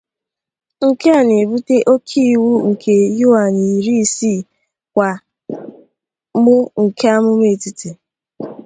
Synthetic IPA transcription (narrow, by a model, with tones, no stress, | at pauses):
ŋ̩˨ke˦a˨ne˨bu˦te˦ʔo˦kʰi˦˨wu˦ŋ̩˨kʰe˨ju˦a˨ni˨ɾi˦˨si˦˨ | kʷa˨ | mʊ˦ŋ̩˨kʰe˦a˦mʊ˦me˦˨ti˦ti˨